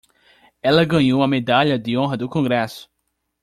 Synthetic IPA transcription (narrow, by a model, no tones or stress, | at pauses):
ɛlɐɡɐ̃ɲowũɐmed̪aʎɐd̪ɪõɦɐd̪ʊkõɡɾɛsʊ̥